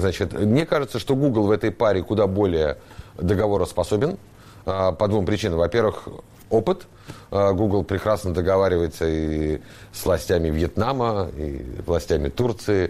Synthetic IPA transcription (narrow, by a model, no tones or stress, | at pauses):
znat͡ɕɪt̪mnʲekaʐɨt̪səʂt̪o̞ɡuɡlˠvɛt̪əjpaɾʲɪkʊd̪abo̞lʲɪjə | d̪əɡɐvo̞ɾəspɐso̞bʲɪn | əpəd̪vumpɾʲɪt͡ɕinəmvɐpʲe̞rvɨx | o̞pɨt̪ | əɡuɡlˠpɾʲɪkɾasnəd̪əɡɐvaɾʲɪvəjɪt̪səi | svlˠɐsʲtʲæmʲɪvjɪt̪naməḭvlˠɐsʲtʲæmʲɪt̪urt̪sɨɪ